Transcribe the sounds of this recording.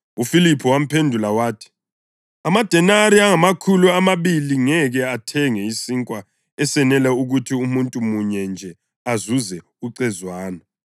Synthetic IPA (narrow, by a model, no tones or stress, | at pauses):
ufilipʰuwam̩pʰendʱulawaːtʰi̥ | amad̥ʱɛnaɾiaŋamakʰuluamaβiliŋɛɣɛatʰɛŋɛisiŋkʼwa | ɛsɛnɛlɛuɣutʰiumuntʼumuɲɛnd͡ʒʱɛ | azuzɛ | uǀɛzwaːna